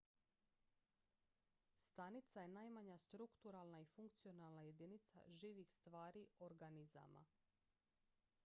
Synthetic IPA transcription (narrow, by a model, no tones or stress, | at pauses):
st̪anit̪saje̞naːjmaɲast̪ɾukt̪uɾalˠnaifuŋkt̪sijo̞nalˠnaje̞d̪init̪sa̰ʒiːʋixst̪ʋaːɾioɾɡaniza̰ma̰